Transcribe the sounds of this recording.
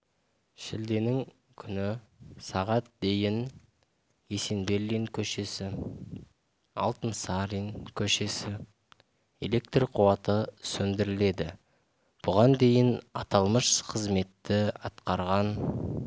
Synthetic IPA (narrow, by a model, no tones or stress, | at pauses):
ʃɪld̪e̞nɪŋ | kʲʰʏnɪsɑʁɑt̪̚d̪e̞jɪn | je̞se̞nbelːiŋkʲʰɵʃe̞sɪ | ɑ̰lˠt̪ənsɑɾiŋkʲʰɵʃe̞sɪ | e̞̰le̞k̚t̪riqʰʊwɑt̪əsɵnd̪ɪɾɪle̞d̪ɪ | b̥ʊʁɑnd̪e̞jɪnɑ̰t̪ɑlˠməʃqʰəzme̞t̪ːɪɑt̪qɑɾʁɑn